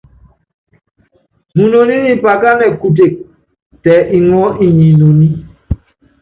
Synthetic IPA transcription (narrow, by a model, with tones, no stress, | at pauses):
mu˨no˨ni˦ni˦pa˨ka˦nɛ˨ku˨t̬e˨k̚ | tɛ˨ʔi˨ŋɔ˦ʔi˦ɲi˨no˨ni˦